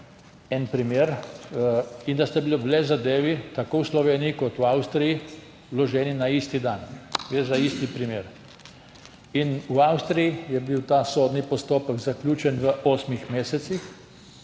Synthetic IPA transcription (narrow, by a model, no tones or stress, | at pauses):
ɛnpɾimeːɾ | ind̪ast̪abiloblɛzad̪eːʋit̪akoːwslɔʋeːnijikɔt̪uawst̪ɾiji | lɔʒɛːninaist̪id̪anɡɾeːzaist̪ipɾimeːɾ | inuawst̪ɾijijɛbiwt̪aːsoːd̪nipɔst̪oːpəɡzaklʲuːt͡ʃɛnʋəʔoːsmixmeːsɛt̪six